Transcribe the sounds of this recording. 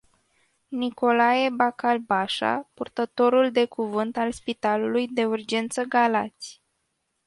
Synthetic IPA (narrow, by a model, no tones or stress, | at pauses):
niko̞lajebakalbaʃa̰purt̪ət̪o̞ɾuld̪e̞kuvɨnt̪alspit̪alulujd̪e̞urd͡ʒe̞nt̪səɡala̰t̪sʲ